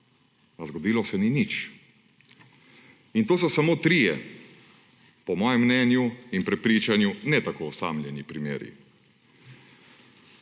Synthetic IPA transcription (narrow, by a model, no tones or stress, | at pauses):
azɡɔd̪iːlɔsɛninit͡ʃ | int̪oːsɔsamoːt̪ɾijɛ | pɔmɔːjɛmːnɛːnjuinpɾɛpɾiːt͡ʃanjunɛt̪akoːsa̰ːmljɛnipɾimḛːɾḭ